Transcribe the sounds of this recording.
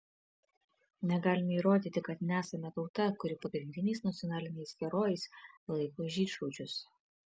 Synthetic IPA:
nʲɛɡɑːlʲɪmʲɛiːɾoːd̪ʲiːt̪ʲɪkɐt̪nʲæːsɐmʲɛt̪ɒʊt̪ɐkʊɾʲɪpɐɡɾʲɪnʲd̪ʲɪnʲɛɪsnɐt̪sʲɪɔnɑːlʲɪnʲɛɪsɡʲɛɾoːjɛɪslˠɐɪkoːʒʲiːʃoːt͡ʃʲʊs

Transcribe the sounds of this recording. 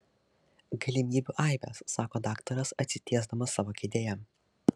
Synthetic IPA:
ɡɐlʲɪmʲiːbʲuːʔɐˑɪʋʲɛ̰sːɑːkoːd̪ɑːkt̪ɐɾɐsɐt̪ʲsʲɪt̪ʲiɛzd̪ɐmɐsːɑːʋoːkʲɪd̪ʲeːjɛ

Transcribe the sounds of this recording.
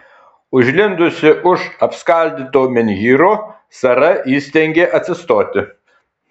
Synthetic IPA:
ʊʒʲlʲɪnd̪ʊsʲɪʔʊʃɐpskɐˑlʲd̪ʲiːt̪oːmʲɛnʲjiːɾoː | sɐɾɐjiːsʲt̪ʲɛŋʲɡʲeːʔɐt̪ʲsʲɪst̪oːt̪ʲɪ

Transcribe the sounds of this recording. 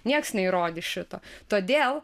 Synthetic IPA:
nʲiɛksnʲɛɪɾoːd̪ʲɪʃʲɪt̪oːt̪oːd̪ʲeːlˠ

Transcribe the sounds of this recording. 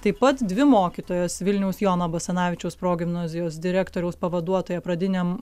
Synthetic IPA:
t̪ɐɪpɐt̪d̪ʲʋʲɪmoːkʲiːt̪oːjɛsʋʲɪlʲnʲɛʊsjoːnɐbɐsʲɛnɑːʋʲɪt͡ʃʲɛʊspɾoːɡʲɪmnɑːzʲɪjoːsd̪ʲɪɾʲæːkt̪oːɾʲɛʊspɐʋɐd̪uɔt̪oːjɛpɾɐd̪ʲɪnʲem

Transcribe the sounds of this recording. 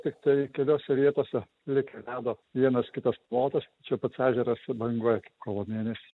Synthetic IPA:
t̪ʲɪkt̪ɐɪkʲɛlʲoːsʲɛʋʲiɛt̪oːsʲɛ | lʲɪkʲɛɪlʲæːd̪oːʋʲiɛnɐskʲɪt̪ɐsplˠoːt̪ɐsɐt͡ʃʲɛʊpɐt̪sæːʒʲɛɾɐsbɐŋɡuɔjɛkɐɪp̚koːʋoːmʲeːnʲɛsʲi̥ː

